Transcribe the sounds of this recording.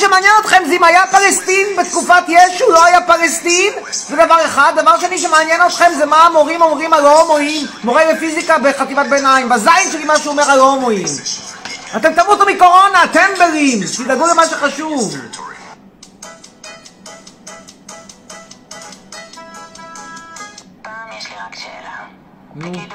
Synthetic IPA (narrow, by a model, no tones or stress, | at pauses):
ʃemeanjeno̞t̪χe̞mzɛimajapalest̪inbet̪kufat̪jeʃulo̞ajapalest̪in | zed̪avaʁe̞χad̪ːavaʁʃeniʃemeanjeno̞t̪χe̞mzemaːmo̞ʁimo̞mʁimalomoimmoʁebefizikabeχat̪ivat̪̚benaimbazajnʃelimaʃeuomeʁalomoim | at̪e̞mt̪amuot̪omiko̞ʁo̞naːt̪e̞mbeʁimt̪id̪aɡulemaʃeχaʃuv | nu